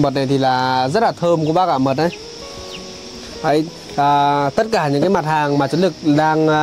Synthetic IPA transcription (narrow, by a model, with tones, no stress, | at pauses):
məː˨˩t̚na˨˩jt̪ʰi˨˩laː˨˩zə˦˥t̚laː˨˩t̪ʰəː˧mku˧˩ɓaː˧kaː˧˩mə˨˩t̚ʔə˨˧˦j | ʔə˨˦j | ʔəː˨˩t̪ə˦˥t̚kaː˧˩ɲɨ̰˧˥ŋkaː˨˦jma˨˩t̚haː˨˩ŋmaː˨˩t͡ɕu˨˦nlɨ˨˩k̚ɗaː˧ŋ˧